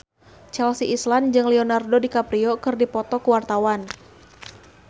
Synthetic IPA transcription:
t͡ʃɛlsiʔisland͡ʒɨŋlɛonardodikapɾiokɨrdipɔt̪ɔkəwart̪awan

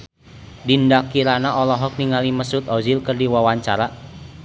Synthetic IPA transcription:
dindakiɾanaʔɔlɔɦɔk̚niŋaliməsʊt̪ɔzilkərdiwawaɲt͡ʃaɾa

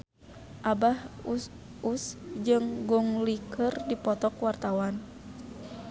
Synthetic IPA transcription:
ʔabahu | usd͡ʒɨŋɡɔŋlikərdipɔt̪ɔkwart̪awan

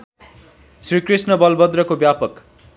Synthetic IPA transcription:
srikrisnʌbʌlbʌd̪rʌkobjapʌk

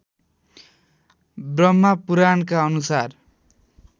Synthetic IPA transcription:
brʌmːapuɾankaʌnusar

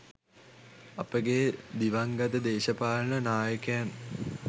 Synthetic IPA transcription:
apəɡed̪iʋɐŋɡɐt̪əd̪eːʃɐpaːlənənaːjəkɐjan

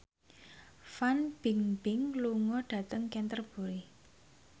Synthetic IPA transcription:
fanb̥ɪŋb̥ɪŋluŋɔɖ̥ä̤t̪əŋkɛnt̪ərb̥ṳɾi

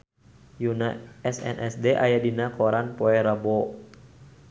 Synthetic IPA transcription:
junaɛsɛ̰nʔɛsdeʔa̰jadinakɔɾanpoɛɾabo

